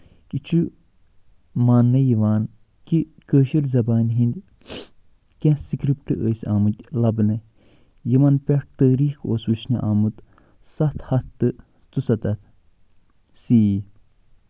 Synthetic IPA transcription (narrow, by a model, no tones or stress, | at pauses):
kit͡ʃʰu | maːnːɐjiʋaːn | kikəːʃiɾzɐbaːnɦind̪ | kʲɛ̃sikɾipʈɨʔəsʲaːmut̪ʲlɐbnɨ | jimɐnpʲɛʈ̚t̪əːɾiːkoːswɨt͡ʃniʔaːmut̪ | sɐt̪ʰhɐt̪ːɨ | t̪usɐt̪ɐt̪ | sii